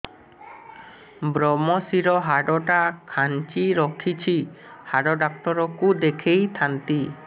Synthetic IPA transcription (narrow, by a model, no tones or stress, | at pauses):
bɾɔmɔsiɾɔɦaɖɔʈakʰant͡ʃiɾɔkʰit͡ʃʰi | haɖɔɖak̚t̪ɔɾɔkud̪ekʰejt̪ʰant̪i